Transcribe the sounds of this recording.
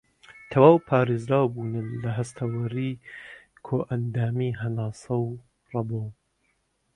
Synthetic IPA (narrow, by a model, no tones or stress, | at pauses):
t̪ʰɐwaːwpʰaːɾeːzɾaːwbuːnɨnlɐɦɐst̪ʰɐwɐɾi | kʰoːʔɐnd̪aːmiɦɐnaːsɐw | rɑbow